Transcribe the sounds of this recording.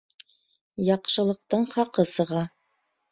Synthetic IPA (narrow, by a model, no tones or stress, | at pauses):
jɑqʃɤ̆lˠɤ̆q̚t̪ɤɴχɑqɤsɤ̆ʁɑ